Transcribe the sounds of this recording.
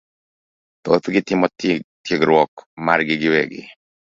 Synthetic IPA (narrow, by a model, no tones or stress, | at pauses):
t̪ot̪ɡɪt̪ɪmɔttjeɡɾwɔkma̰ɾɡɪɡɪwɛɡɪ̰